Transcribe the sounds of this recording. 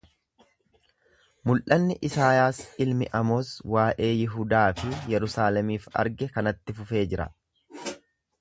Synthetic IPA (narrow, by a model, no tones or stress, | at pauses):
mʊlʔɐnːɪʔɪsaːjaːsɪlmɪʔɐmo̞ːswaːʔe̞ːjɪɦʊd̪aːfɪjɛɾʊsaːlɛmiːfɐ̰ɾɡɛkɐnɐt̪ːɪfʊfe̞ːd͡ʒɪɾɐ̰